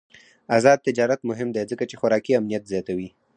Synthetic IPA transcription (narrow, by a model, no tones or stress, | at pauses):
azɑd̪̚t̪ɪd͡ʒɑɾat̪mʊɦɪmd̪ezəkat͡ʃexʊɾɑkiamnijat̪zjɑt̪awi